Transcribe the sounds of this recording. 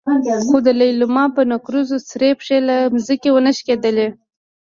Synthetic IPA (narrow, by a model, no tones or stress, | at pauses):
xod̪əlajlʊmɑpənakɾuzosɾepʂelamzəkewənəʃked̪əle